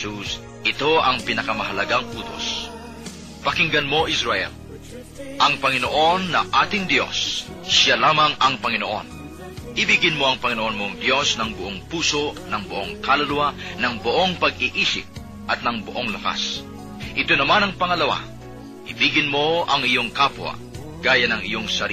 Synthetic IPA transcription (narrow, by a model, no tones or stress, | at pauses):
us | ʔɪt̪o̞ʔɐŋpɪnɐkɐmɐɦɐlɐɡaŋʔuːt̪o̞̰s | pɐkɪŋɡɐnmo̞ʔisɾɐʔɛ̰l | ʔɐŋpɐŋɪnoʔo̞nːɐʔaːt̪ɪŋd̪jo̞̰sː | alaːmɐŋɐŋpɐŋɪno̞ʔo̰n | ʔɪbiːɡɪnmo̞ɐŋpɐŋɪnoʔonmo̞ŋd̪jo̞snɐŋbʊʔoŋpuːso̞nɐŋbʊʔoŋkalɐlʊwanɐŋbʊʔo̞ŋpɐɡɪʔiːsɪ̰p̚ | ʔɐt̪̚nɐŋbʊʔo̞ŋlɐka̰s | ʔɪt̪o̞nɐmanɐŋpɐŋɐlɐwa̰ | ʔɪbiːɡɪnmo̞ɐŋɪjo̞ŋkaːpwɐ̰ | ɡ̥aːjɐnɐŋɪ̰jo̞ŋsɐɾ